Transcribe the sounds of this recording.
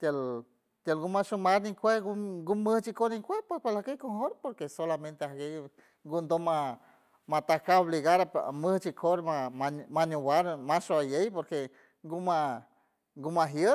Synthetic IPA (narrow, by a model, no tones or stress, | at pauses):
t̪el | t̪jelɡumaʃumaɾniŋkʷehɡuɡuməht͡ʃikoɾniŋkʷepepalahkejkoŋhoɾpoɾkesolamẽnt̪eahɡe | ŋɡund̪oma | mat̪akaoβliɣaɾapməht͡ʃikʰoɾmamamaɲuwaɾmaʃoajejpoɾke | ŋɡuma | ŋɡumaɦjə